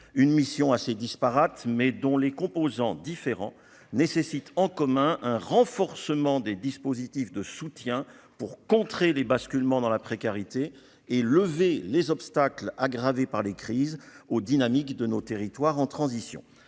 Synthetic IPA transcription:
ynmisjɔ̃ased̪ispaʁat̪mɛd̪ɔ̃lekɔ̃pozɑ̃d̪ifeʁɑ̰̃ | nesesit̪ʰɑ̃kɔmɛ̃ʔɛ̃ʁɑ̃fɔʁsəmɑ̃d̪ed̪ispozit̪ifd̪əsut̪jɛ̃ | puʁkɔ̃t̪χelebaskʲylmɑ̃d̪ɑ̃lapχekaʁit̪eː | ləvelezɔpst̪aklaɡʁavepaʁlekχizod̪inamikd̪ənot̪eʁit̪waʁɑ̃t̪χɑ̃zisjɔ̰̃

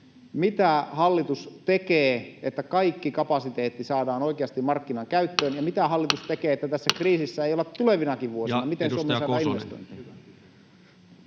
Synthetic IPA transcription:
mit̪æhɑlːit̪ust̪ekeːet̪ːækɑikːikɑpɑsit̪eːt̪ːisɑːdɑːnoikeɑst̪imɑrkːinɑŋkæyt̪ːøːnjɑmit̪æhɑlːit̪ust̪ekeːet̪ːæt̪æsːækriːsisːæeijolet̪t̪ːuleʋinɑkiʋʋuosinɑmit̪ensuomːeɑːdɑːinʋest̪o̰int̪i

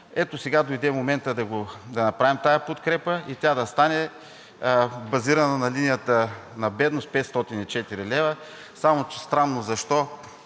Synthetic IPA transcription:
ɛt̪osɛɡad̪ojd̪ɛmomɛnt̪əd̪ɐɡod̪ɐnɐpɾavimt̪ajɐpot̪kɾɛpəit̪ʲad̪ɐst̪anɛ | bɐziɾɐnɐnɐlinijət̪ənɐbɛd̪nost̪̚pɛt̪st̪ɔt̪init͡ʃɛt̪iɾilɛvə | samot͡ʃst̪ɾanːozɐʃt̪ɔ

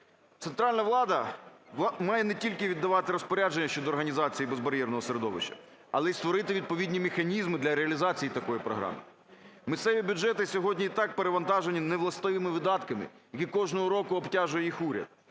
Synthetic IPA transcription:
t̪sent̪ɾɑlʲnɐʋlˠɑd̪ɐ | mɑjɛnetʲilʲkɪʋʲid̪ːɐʋɑt̪ɪɾɔspɔɾʲad͡ʒenʲːɐʃt͡ʃɔd̪ɔːɾɦɐnʲizɑt͡sʲijibezbɐɾʲjɛrnɔɦɔseɾed̪ɔʋɪ̰ʃt͡ʃɐ̥̰ | ɐlˠɛist̪ʋɔɾɪt̪ɪʋʲid̪̚pɔʋʲidʲnʲimexɐnʲizmɪd̪lʲɐɾeɐlʲizɑt͡sʲijit̪ɐkɔjipɾɔ̰ɦɾɑ̰mɪ̰ | mɪssɛʋʲibʲʊd͡ʒɛt̪ɪsʲɔɦɔdʲnʲiit̪ɑk̚peɾeʋɐnt̪ɑʒenʲineʋlˠɐst̪ɪʋɪmɪʋɪd̪ɑt̪kɐmɪ̰jɐkʲikɔʒnɔɦɔɾɔkʊɔbtʲaʒʊjɛjixuɾʲɐ̰d̪̥̚

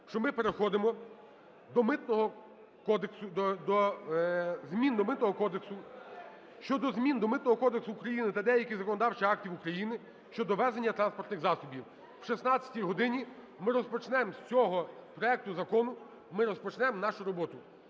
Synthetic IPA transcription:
ʃt͡ʃɔmɪpeɾexɔd̪ɪmɔ | d̪ɔmɪt̪nɔɦɔ | kɔd̪eksʊd̪ɔd̪ɔ | zmʲind̪ɔmɪt̪nɔɦɔkɔd̪eksʊ | ʃt͡ʃɔd̪ɔzmʲind̪ɔmɪt̪nɔɦɔkɔd̪eksʊːkɾɐjinɪt̪ɑd̪ɛjɐkʲizɐkɔnɔd̪ɑwt͡ʃɐɑk̚tʲiwukɾɐjinɪ | ʃt͡ʃɔd̪ɔʋɛzenʲːɐt̪ɾɑnspɔrt̪nɪxzɑsɔbʲiw | wʃisnɑt͡sʲɐ̥tʲijɦɔd̪ɪnʲi | mɪɾɔspɔt͡ʃnɛmsʲt͡sʲɔɦɔpɾɔɛk̚t̪ʊzɐkɔnʊ | mɪɾɔspɔt͡ʃnɛmnɑʃʊɾɔbɔt̪ʊ

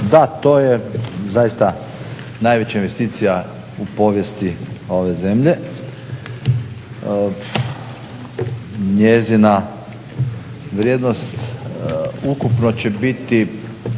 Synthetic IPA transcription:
d̪at̪o̞ːjezajist̪a | najʋe̞t͡ɕainʋe̞st̪iːt̪sija | upo̞ʋje̞st̪io̞ʋe̞ze̞mʎe̞ | ɲezina | ʋɾʲjed̪no̞st̪ | ukupno̞t͡ɕe̞bit̪i

